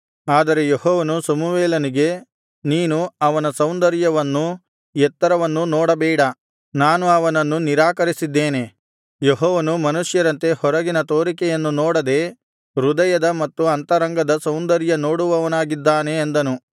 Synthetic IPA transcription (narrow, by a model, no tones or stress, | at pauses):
aːd̪ɐɾe̞jehɔːʋɐnusɐmuʋeːlɐniɡe̞ | niːnuɐʋɐnɐsɐwnd̪ɐɾjɐʋɐnːu | jɛt̪ːɐɾɐʋɐnːunɔːɽɐbɛːɽɐ | naːnuɐʋɐnɐnːuniɾaːkɐɾisid̪ːeːne̞ | jeɦɔːʋɐnumɐnuʂjɐɾɐnt̪e̞hɔɾɐɡinɐt̪o̞ːɾikɛjɐnːunoːɽɐd̪e̞ː | ɾud̪ɐjɐd̪ɐmɐt̪ːuɐnt̪ɐɾɐŋɡɐd̪ɐsɐwnd̪ɐɾjɐnoːɽuʋɐʋɐnaːɡid̪ːaːneːnd̪ɐnu